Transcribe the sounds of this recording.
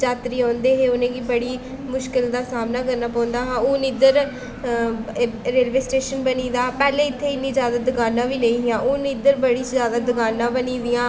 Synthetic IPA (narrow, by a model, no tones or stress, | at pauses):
d͡ʒaːt̪ɾiːɔ̃ːnd̪eːɦeːʊnẽːɡiːbəɽiː | mʊʃkɪld̪aːsaːmnaːkəɾnaːpãːnd̪aːɦãːoːniːd̪əɾ | ɾeːlʋeːsʈeːʃənbəniːd̪aːpɛːlẽːɪt̪ʰːeːɪnːĩːzjaːd̪aːd̪əɡaːnːãːʋiːleĩːɦɪjãːʔʊːnid̪əɾbəɽiːzjaːd̪aːd̪əɡaːnːãːbəniːd̪ɪjãː